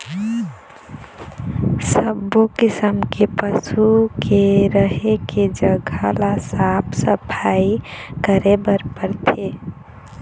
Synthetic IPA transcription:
səbːokɪsəmkepəsukʰeɾəɦeked͡ʒəɡʱalasapʰsəpʰaikəɾebəɾpəɾt̪ʰe

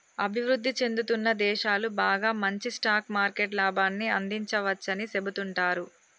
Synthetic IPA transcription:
ɐbʱiʋɾud̪ʱːit͡ʃe̞nd̪ut̪unːɐd̪ɛːʃaːlubaːɡaːmɐɲt͡ʃisʈaːkmaːɾkeʈlaːbaːnːiɐnd̪iɲt͡ʃɐʋɐt͡ʃːɐnise̞but̪uɳʈaːɾu

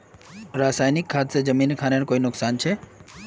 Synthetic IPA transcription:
ɾaːsaːjnɪkʰːaːt̪sed͡ʒɐmiːnkʰaːneɽkoːiːnʊksaːnt͡ʃʰeː

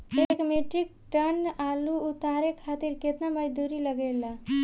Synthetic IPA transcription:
ekmeʈɾik̚ʈənaluut̪aɾekʰat̪iɾket̪naməd͡ʒd̪uɾiləɡela

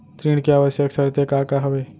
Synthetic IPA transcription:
t̪ɾiːɽ̃keaːʋəʃjəksəɾt̪ekaːkaɦəʋe

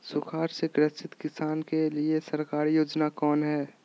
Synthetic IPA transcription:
sʊkʰaːɾseɡɾəst͡ʃɪt̪kɪsaːnkeliesɐɾkaːɾjoːd͡ʒnakɔːnɦɛː

